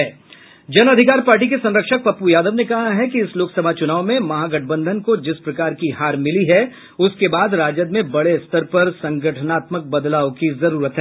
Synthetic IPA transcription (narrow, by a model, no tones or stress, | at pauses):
ɛː | d͡ʒɐnɐd̪ʱɪkaːɾpaːɾʈ̬ik̬esɐ̃nɾəkʃək̚pɐpujaːd̪əʋnekɐɦaɦɛkiɪsloːksəbʱat͡ʃʊnaːʋomẽmɐɦaːɡɐʈ̚ʰbə̃nd̪ʱənkod͡ʒɪspɾɐkaːɾkiɦaːɾmɪliɦɛ | ʊskebaːd̪ɾaːd͡ʒəd̪̚mẽbɐɽeɪst̪əɾpɐɾsɐ̃ŋɡəʈʰənaːt̪mək̚bɐd̪laːõkizɐɾuːɾət̪ɦɛː